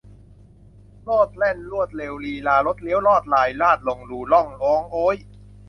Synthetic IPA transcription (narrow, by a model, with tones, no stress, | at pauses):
loː˥˩t̪̚lɛ˥˩nlu˥˩ət̪̚leː˧wliː˧laː˧˩lo˦˥t̪̚li˦˥wlɔː˥˩t̪̚laː˧jlaː˥˩t̪̚lo˧ŋluː˧˩lɔ˥˩ŋlɔː˨˦˥ŋʔoː˦˥j